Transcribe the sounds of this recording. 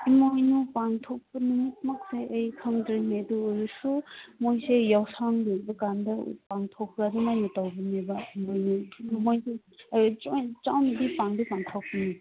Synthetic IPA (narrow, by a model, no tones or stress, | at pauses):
imojnupaŋtʰok̚pɐnuŋit̚mak̚seʔɯjkʰaŋdɾeneduːjusumojsejawsaŋdek̚bɐkandɐ̰paŋtʰokʰːɾadumajnɐtawbinebɐimojnumojse | t͡ʃawnidipaŋdipaŋtʰak̚pini